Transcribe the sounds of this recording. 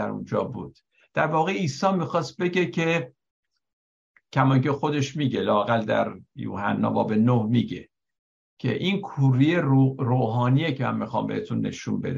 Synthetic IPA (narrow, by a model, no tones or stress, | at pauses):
æɾṵnd͡ʒɒːbṵːd̪̥ | d̪̥æɾvɒːɣeiːsɒːmixɒːst̪̚be̞ɟecʰe | ckʰæmɒŋcʰe̞xo̞d̪e̞ʃmiːɟelɒːæɣæld̪æ̰ɾjṵːhænːɒ̰ːbɒ̰ːbenohmiːɟe̞̰ | cʰḛʔinkʰuɾijeɾoːɦɒːnijecʰemæ̰mmixɒ̰ːmbe̞het̪ʰunːe̞̰ʃṵnbe̞̰d̪